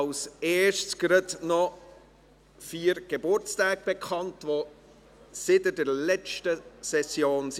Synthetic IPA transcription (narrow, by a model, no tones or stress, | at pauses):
ʊseːʃtsɡ̥ɾədnɔ | fiːɾɡ̥ebʊɾt͡staːɡ̚b̥ekʰχɑntʋo | sɪtədɛɾlɛt͡ʃtəsɛsjoːns